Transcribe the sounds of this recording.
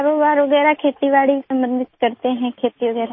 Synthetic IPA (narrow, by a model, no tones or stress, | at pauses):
ɾoːbaːɾʋəɡɛːɾakʰeːt̪iʋaːɭisə̃mbə̃nd̪ʱɪt̪kəɾt̪eɦɛ̃kʰeːt̪iʋəɡɛːɾa